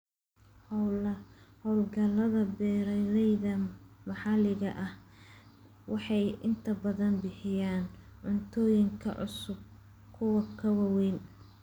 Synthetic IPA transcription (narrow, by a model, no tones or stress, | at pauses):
hɔwlɐhɔwlɡɐlɐðɐbɛːɾɛɾɛjðɐmɑħɑlɪɣɐʔɐh | wɑħɑjʔɪnt̪ʰɐbɐðɐnbɪħɪjaːnʕʊnt̪ʰɔːjɪŋkʰɐ̰ʕʊ̰sʊb̚ | kʰʊwɐkʰɐwɐwɛːn